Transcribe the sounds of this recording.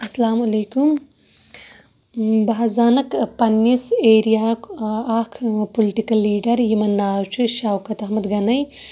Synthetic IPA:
ɐslaːmɐlekum | bɐɦzaːnɐkpɐniseɾijaaːkʰpolɪʈikɐlːiːɖɐɾjimɐnːaːt͡ʃʰiʃaːwkɐt̪ɐhmɐd̪ɡɐnɐj

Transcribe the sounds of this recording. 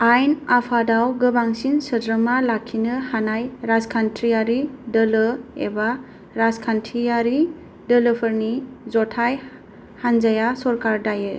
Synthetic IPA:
ajnapʰadawɡɯbaŋsinsədɾəmalakʰːinɯhanajɾazkʰantʰɾiaɾidəlɯḛba | ɾazkʰantʰiaɾi | dələpʰəɾnizɔtʰaj | hanzajasɔɾkaɾdajɯ

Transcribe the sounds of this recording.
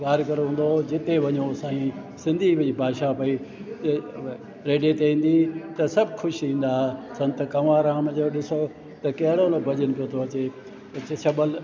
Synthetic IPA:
kaːɾkɐɾɦũːn̆d̪od͡ʑɪt̪eʋɐɲosãːĩ | sɪ̃nd̪ʱiʋɐibʱaːʃapɐi | ɾeːɖet̪eĩːn̆d̪it̪ɐsɐbʱxʰʊʃiĩːn̆d̪aːsɐ̃nt̪kɐʋãːɾaːmd͡ʑoɗɪso | t̪ɐkɐɦɪɽonobʱɐʄənpijot̪ʰoɐt͡ɕe | ɐt͡ɕet͡ɕʰɐbəl

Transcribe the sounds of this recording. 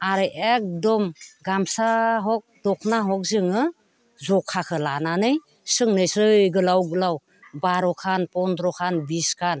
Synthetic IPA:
aɾɯʔek̚dɔmɡamsaɦɔk̚dɔk̚ʰnaɦɔk̚zɯŋɯ | zɔkʰːakʰɯlananɯj | sɯŋnɯjsɯjɡɯlawɡɯlaw | baɾɔkʰanpɔndɾɔkʰanbiskʰan

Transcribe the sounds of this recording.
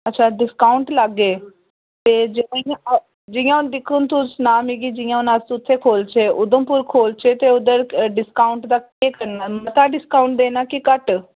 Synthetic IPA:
ətːʃʰaːɖɪskaːʊɳʈləɡːeː | t̪eːd͡ʒ | d͡ʒɪjãːʊnd̪ɪkʰːʊnt̪ʊt͡ʃnaːmiɡid͡ʒɪjãːʊnãːsuʊt̪ʰːeːkʰoːlt͡ʃʰeːʔʊd̪əmpʊɾkʰoːlt͡ʃʰeːt̪eːʊd̪əɾɖɪskaːʊɳʈd̪aːkeːkəɾnaːmət̪aːɖɪskaʊɳʈ̚d̪eːnaːkikəʈ

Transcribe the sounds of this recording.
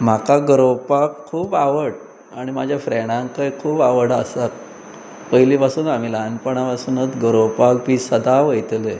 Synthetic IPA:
m̤akaɡəɾowpakkʰːuːbaʋəɽ | aɽ̃imad͡ʑʱjafɾeɽ̃ãŋkəjkʰuːpaʋəɽasak | pəɦilipasuːnam̤iːlanpəɳ̃aʋasuːnət̪ɡəɾəwpak̚biːsəd̪aʋəjt̪le

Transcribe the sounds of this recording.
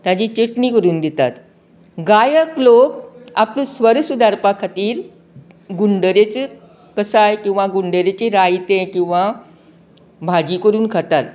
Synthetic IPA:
t̪jad͡ʑiːt͡ɕeʈniːkəɾuːnd̪et̪at̪ | ɡajəklokaplũsʋəɾsud̪aɾpakʰat̪iːɾ | ɡuɳɖəɾet͡se | kəsajkĩw̃ʋaɡuɳɖəɾet͡ɕeɾajt̪ẽkĩw̃ʋa | bʱad͡ʑiːkəɾuːnkʰat̪at̪

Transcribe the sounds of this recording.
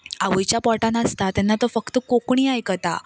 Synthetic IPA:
aʋujt͡ɕjapɔʈãnəst̪at̪anːat̪ofəkt̪əkokɳ̃iːajkət̪a̰

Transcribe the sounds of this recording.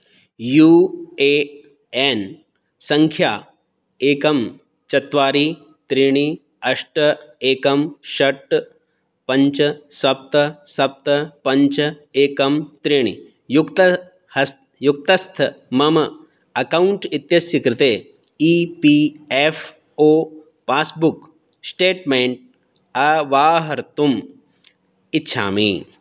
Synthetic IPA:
juːeː | en | sɐ̃ŋkʰjaː | eːkɐm | t͡ʃɐt̪ʋaːɾiː | t̪ɾiːɽ̃i | ɐʂʈɐeːkɐmʃɐʈ | pɐɲt͡ʃɐsʋɐp̚t̪ɐsɐp̚t̪ɐpɐɲt͡ʃɐeːkɐmt̪ɾiːɽ̃ḭ | jukt̪ɐ | hɐs | juk̚t̪ɐst̪ʰɐmɐmɐ | ɐkɐwɳʈit̪jɐsjɐkɾɪt̪eː | iːpiefʰ | oː | paːsbuk | sʈeːʈmeːɳʈ̚ | ɐʋaːɦɐɾt̪um | itːʃʰa̰ːmḭ

